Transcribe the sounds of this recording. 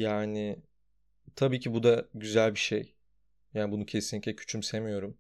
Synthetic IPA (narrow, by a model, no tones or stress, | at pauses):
jaːnɪ | t̪ʰabiːcʰibud̪aɟyzælʲbiʃej | jaːnibunucʰe̞sinlːiclʲɛcʰy̥t͡ʃʰymse̞mijo̞ɾum